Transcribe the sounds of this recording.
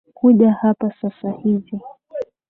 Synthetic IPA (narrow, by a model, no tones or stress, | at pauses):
kuʄahapasasahivi